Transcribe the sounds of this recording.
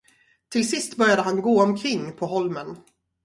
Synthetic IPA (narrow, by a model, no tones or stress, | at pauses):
t̪ʰɪlsɪst̪bœɾjad̪əɦanɡoːɔmkʰɾɪŋːpʰɔɦɔlmən